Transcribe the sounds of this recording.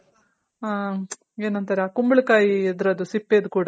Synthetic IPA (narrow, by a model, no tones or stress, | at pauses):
aː | eːnɐnt̪ɐɾeaːkumbɐɭkaːjied̪ɾɐd̪usipːeːd̪ukuːɽɐ